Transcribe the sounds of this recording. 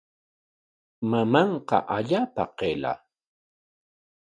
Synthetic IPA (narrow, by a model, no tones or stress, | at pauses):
mamɑɴqɑ̰ʔaʎaːpa̰qela̰